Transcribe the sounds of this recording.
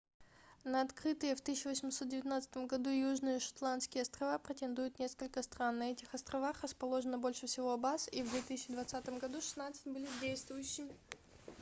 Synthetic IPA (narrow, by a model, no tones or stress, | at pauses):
nəɐt̪kɾɨt̪ɨjəft̪ɨsɕːʊvəsʲɪmʲso̞t̪̚dʲɪvʲɪt̪ʲnat̪sə̥t̪əmɡɐd̪ujuʐnɨjəʂɐ̥t̪lˠant̪skʲɪjəɐst̪ɾɐvapɾʲɪtʲɪnd̪ujʊt̪nʲe̞skəlʲkəst̪ɾanːɐɛtʲɪxɐst̪ɾɐvaxrəspɐlˠo̞ʐənəbo̞lʲʂɨfsʲɪvoɐbasivd̪vʲet̪isʲɪt͡ɕːɪd̪vɐt̪sat̪əmɡɐd̪uʂɨ̥snat̪sɨ̥tʲbɨlʲɪdʲejst̪vʊjʉɕːɪmʲɪ